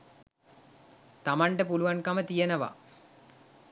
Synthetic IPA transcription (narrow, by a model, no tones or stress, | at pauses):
t̪ɐmɐɳɖəpuluʋɐnkɐmət̪ijɐnɐʋɐ̰